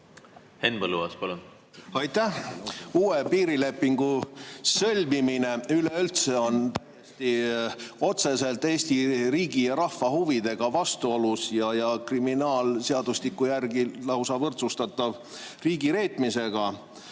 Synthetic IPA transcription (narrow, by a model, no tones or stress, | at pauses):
henbəlːṵɑ̰spɑlun | ɑjt̪ːæhuːepiːɾile̞pˑːiŋɡ̥usɤ̞lʲmimine̞yle̞ylt̪se̞o̞nt̪æjest̪i | o̞t̪se̞se̞lt̪ːˑe̞ːst̪iriːɡ̥ijɑɾɑhfɑhuvid̪̥e̞ɡ̥ɑvɑst̪uolusjɑjɑkriminɑːlseɑd̪̥ust̪ikːˑujærɡilɑwsɑvɤrt̪sust̪ɑt̪ːˑɑv | riːɡiɾe̞ːt̪mise̞ɡ̥ɑ